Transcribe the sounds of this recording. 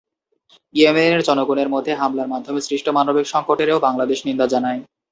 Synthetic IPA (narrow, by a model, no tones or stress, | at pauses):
iemeneɾd͡ʑɔnoɡuneɾmod̪ʱːeɦamlaɾmad̪ʱːomesɾiʃʈomanobikʃɔŋkoʈeɾeobaŋlad̪eʃnind̪ad͡ʑanae